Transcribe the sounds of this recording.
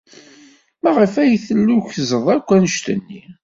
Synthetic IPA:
mæʁəfæjθəlːuçzəðˤækʷːænəʃt̪ənːi

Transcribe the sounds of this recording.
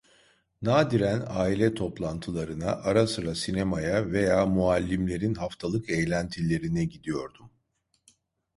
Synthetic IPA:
naːd̪iɾænaːilʲɛt̪ʰo̞plˠant̪ʰɯlˠaɾɯnaʔaɾasɯɾasinemajave̞jaːmualʲːimlʲe̞ɾinɦaft̪ʰalˠɯkejlʲænt̪ʰilʲe̞ɾinɛɟid̪ijo̞ɾd̪um

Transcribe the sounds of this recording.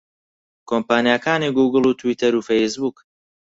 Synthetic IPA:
kʰoːmpaːnijakaːniɡuːɡɨlˠuːt̪ʰwiːt̪ʰɐɾuːfejsbuːk

